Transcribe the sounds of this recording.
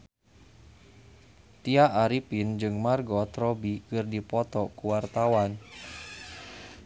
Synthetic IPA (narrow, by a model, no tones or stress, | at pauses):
t̪iaʔːɾipind͡ʒɨŋmarɡɔt̪ɾɔbikɨrdipɔt̪ɔkuwart̪awan